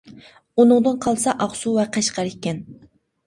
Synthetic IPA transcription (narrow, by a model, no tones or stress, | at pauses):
unɨŋd̪ɨnqʰɑlˠsɑʔɑχsuvɛqɨʃqʰɑɾɪkʲːɛn